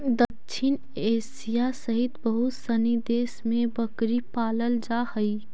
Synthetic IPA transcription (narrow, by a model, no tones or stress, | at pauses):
d̪əkt͡ʃʰɪn | eːsijasəɦɪt̪bəɦʊt̪sənid̪eːsmẽbəkɾipaːləld͡ʒahəi